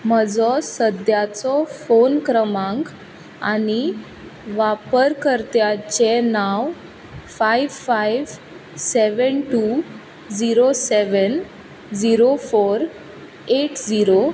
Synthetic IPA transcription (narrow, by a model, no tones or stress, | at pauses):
məd͡zɔsəd̪jat͡sɔfonkɾəmãŋk | a̰ñi | ʋapəɾkəɾt̪jat͡ɕenaw | fajʋfajʋ | seʋənʈu | d͡ziɾoseʋən | d͡ziɾofoɾ | eʈd͡ziɾo